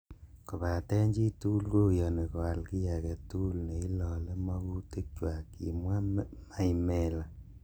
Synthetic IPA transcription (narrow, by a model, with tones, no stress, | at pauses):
ko˨ba˨tɛ˦ɲd͡ʒi˦tu˦lko˦˨jɔ˨ne˨ko˨a˨lki˦ja˨kɛ˨tu˦lne˨i˦lɔ˨le˦ma˦ku˦te˦k̚t͡ʃwa˨ki˨mwa˦ma˦i˦mɛ˨la˨